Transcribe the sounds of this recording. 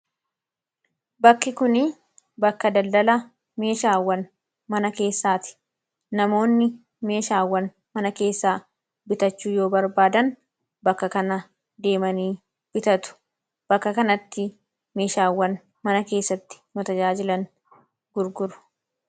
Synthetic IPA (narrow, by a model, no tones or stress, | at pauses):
bɐkːɪkʊnɪ | bɐkːɐd̪ɐld̪ɐlɐ | me̞ːʃaːwːɐn | mɐnɐke̞ːsːaːt̪ɪ̥ | nɐmo̞ːnːɪ | me̞ːʃaːwːɐn | mɐnɐke̞ːsːaː | bɪt̪ɐt͡ʃːuːjo̞ːbɐɾbaːd̪ɐn | bɐkːɐkɐnɐ | d̪e̞ːmɐniː | b̥ɪt̪ɐt̪ʊ̥ | b̥ɐkːɐkɐnɐt̪ːɪ | meːʃaːwːɐn | mɐnɐke̞ːsːɐt̪ːɪ̥mʊt̪ɐd͡ʒaːd͡ʒɪlɐŋ | ɡ̥ʊɾɡʊɾʊ̥